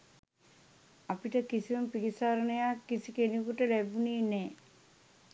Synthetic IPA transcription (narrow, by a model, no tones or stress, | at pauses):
apiʈəkisiməmpikisaːɾənəjakːisikenikuʈəlæbuniːneː